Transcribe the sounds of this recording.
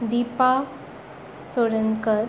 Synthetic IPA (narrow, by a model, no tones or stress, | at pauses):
d̪ipa | t͡soɽəŋkəɾ